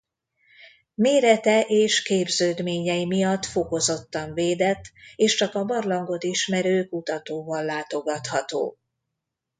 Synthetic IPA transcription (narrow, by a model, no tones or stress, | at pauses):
meːɾɛt̪ɛʔeːʃkeːbzøːd̪meːɲɛimijɒt̪ːfo̞ko̞zo̞t̪ːɒɱveːd̪ɛt̪ːeːʃt͡ʃɒkɒbɒrlɒŋɡo̞t̪iʃmɛɾøːkut̪ɒt̪oːvɒlːaːt̪o̞ɡɒt̪hɒt̪o̰ː